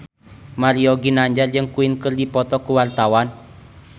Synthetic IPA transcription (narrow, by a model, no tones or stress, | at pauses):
maɾiɔɡinaɲd͡ʒard͡ʒɨŋkuinkɨrdipɔt̪ɔkuwart̪awan